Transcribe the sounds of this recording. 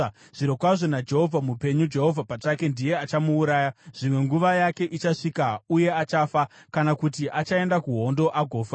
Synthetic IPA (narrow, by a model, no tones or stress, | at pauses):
ʐ̥iɾokwaʐo̞nad͡ʒe̞ɦo̞vʱamupe̞ɲud͡ʒe̞ɦo̞vʱapat͡ʂake̞ndije̞at͡ʃamuːɾaːjaʐ̥imwe̞ŋɡuʋajake̞ʔit͡ʃaʂikauje̞at͡ʃafakanakutiʔat͡ʃae̞ndakuɦo̞ndo̞ʔaɡʱo̞ːfa